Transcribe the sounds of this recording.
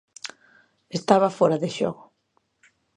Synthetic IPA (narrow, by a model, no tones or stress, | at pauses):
est̪aβɐfoɾaðɪʃɔ̰ɣʊ